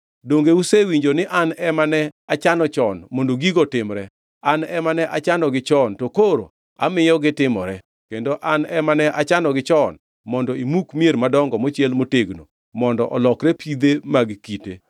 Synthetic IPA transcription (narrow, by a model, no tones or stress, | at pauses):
doŋɡeusewiɲd͡ʒonɪʔanɛmanɛat͡ʃanɔt͡ʃɔnmondoɡiɡɔtɪmɾɛ | anɛmanɛʔat͡ʃanɔɡɪt͡ʃɔntokoɾo̰ | a̰mɪjɔɡɪtɪmɔɾɛ | kendoʔanɛmanɛʔat͡ʃanɔɡɪt͡ʃɔn | mɔndɔimukmijeɾmadɔŋɡɔmot͡ʃjelmoteɡno̰ | mɔndɔʔɔlɔkɾɛpʰid̪emaɡkitḛ